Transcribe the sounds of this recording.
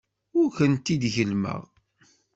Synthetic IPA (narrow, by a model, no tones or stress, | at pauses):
ʊɾçənt̪ːid̪ʝəlmə̰ʁ